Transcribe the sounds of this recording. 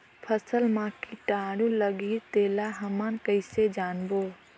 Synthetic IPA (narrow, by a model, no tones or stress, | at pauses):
pʰəsəlmãkiʈaːɽũləɡit̪eːlaɦəmankəɪsed͡ʒaːnbo